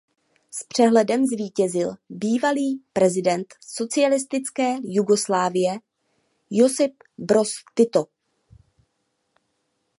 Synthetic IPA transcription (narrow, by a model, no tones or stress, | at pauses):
spr̝̥ɛɦlɛdɛmzviːcɛzɪlbiːvaliːpɾɛzɪdɛnt̪so̞t͡sɪalɪst̪ɪt͡skɛːjuɡo̞slaːvɪjɛ | josɪp | bɾo̞st̪ɪt̪o